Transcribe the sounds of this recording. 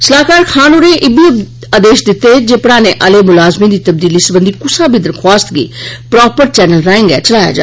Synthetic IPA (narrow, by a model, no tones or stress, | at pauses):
səlaːkaːɾkʰaːnuːɾeːʔɪbi | aːd̪eːʃd̪ɪt̪ːed͡ʒeːpɽãːnẽːʔəleːmʊlaːzmĩːd̪iːt̪əb̚d̪iːliːsəbənd̪iːkʊsaːbʱiːd̪əɾkʰwaːst̪ɡḛːpɾɔːpəɾt͡ʃɛːnəlɾãːɪ̃ŋɡɛ̰ːt͡ʃəlaːja̰ːd͡ʒa̰ː